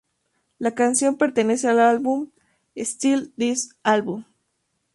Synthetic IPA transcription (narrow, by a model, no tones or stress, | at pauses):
lakansjo̞mpe̞ɾt̪ene̞sealalβum | est̪ild̪isalβum